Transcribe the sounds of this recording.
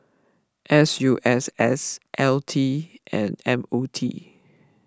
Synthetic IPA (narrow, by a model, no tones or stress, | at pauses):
ʔɛsjuʔɛsɛsʔɛltʰiʔɛ̰̃nɛ̃motʰḭ